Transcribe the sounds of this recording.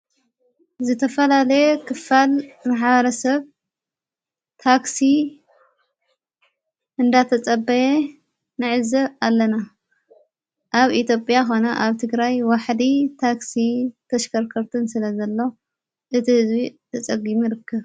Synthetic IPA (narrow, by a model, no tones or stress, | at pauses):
zɨt̪ʰɐfɐlalɐjekʰɨfalmaħβɐɾɐsɐβ | t̪ʰaksi | ʔɨnd̪at̪ʰɐt͡sʼɐbːɐje | nɨʕɨzɐβalːɐna | ʔaβit̪jo̞pʼjaxo̞nɐʔaβt̪ʰɨɡɾajwaħd̪it̪ʰaksit̪ʰɐʃkʰɐɾkʰɐɾt̪ʰɨnsɨlɐzɐlːo̞ | ʔɨt̪ʰihɨzbit̪ʰɐt͡sʼɐɡimiɾɨkʰːɨβ